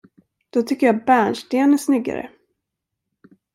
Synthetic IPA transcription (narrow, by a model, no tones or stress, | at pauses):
d̪̥ɔt̪ʰʏkːəjaːbæːɳʂʈeːnæsnʏɡːa̰ɾə̰